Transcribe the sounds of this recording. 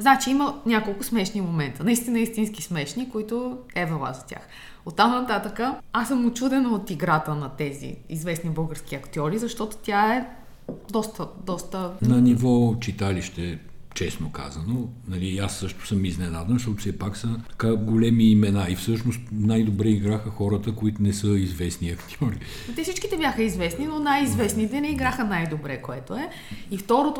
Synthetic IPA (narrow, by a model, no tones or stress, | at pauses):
znat͡ʃiimənʲakolˠkʊsmɛʃnimomɛnt̪ənɐist̪inəist̪inskismɛʃnikoit̪ʊɛvɛlˠa̰zɐt̪ʲja̰x | ot̪ːamnɐt̪at̪əkəasːəmʊt͡ʃud̪ɛnot̪iɡɾat̪ənɐt̪ɛzḭḭzvɛsnibɤlˠɡəɾsk̟ʲiɐkt̪ɔɾizɐʃt̪ɔt̪o̥t̪ʲjaɛ | d̪ɔst̪əd̪ɔst̪ənɐnivɔt͡ʃit̪aliʃt̪ɛt͡ʃɛsnoka̰zɐnonɐliasːɤʃt̪ʊ̥səmiznɛnad̪ənʃt̪ɔt̪ʊ̥sɛpaksət̪ɐ̥kaɡolɛmiːmɛnaifsɤʃnost̪najd̪obɾɛiɡɾaxəxɔɾət̪əkoit̪ʊnɛsəizvɛsniɐkt̪ʲɔɾi | t̪ɛfsit͡ʃkit̪ɛbjaxəizvɛsninonajizvɛsnit̪ɛnɛiɡɾaxənajd̪obɾɛkoɛt̪oɛ | ift̪ɔɾot̪o